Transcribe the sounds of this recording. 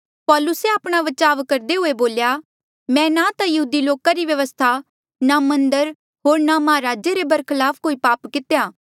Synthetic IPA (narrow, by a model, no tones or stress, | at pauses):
pɔːlʊseaːpɽ̃aʋɐt͡ʃaːʋkɐɾd̪eɦʊeboːlja | mɛ̃ːnat̪ajɐɦuːd̪iloːkaɾiʋjɐʋəst̪ʰa | namɐ̃nd̪əɾ | ɦoːɾnamɐɦaɾaːd͡ʒeɾebɐɾkʰɪlaːpʰkoːipaːpkɪt̪ejaː